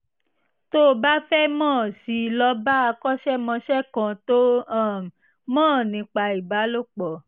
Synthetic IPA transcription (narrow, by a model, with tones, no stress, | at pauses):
to˦˨ba˦fɛ˦mɔ̃ː˦˨si˧˨lɔ˧ba˦a˧kɔ˦ʃɛ˦mɔ̃˧ʃɛ˦kã˧to˦ã˦˨ | mɔ̃ː˦˨nĩ˨˧k͡pa˧i˨ba˨˦lo˦k͡pɔ˨